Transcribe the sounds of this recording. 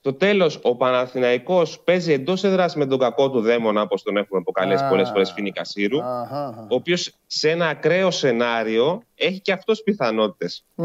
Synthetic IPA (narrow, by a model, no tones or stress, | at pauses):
st̪o̞t̪e̞lo̞so̞pɐnɐθinɐiko̞spe̞zie̞nd̪o̞se̞ðɾɐsizme̞t̪̬o̞ɡɐko̞t̪uðe̞mo̞nɐpost̪one̞xumepo̞kɐlesi̥po̞le̞sfo̞ɾe̞sfinikɐsiɾuoːpios | see̞nɐːkɾe̞o̞se̞nɐɾio̞e̞çiceɐft̪ospiθɐno̞t̪i̥t̪e̞s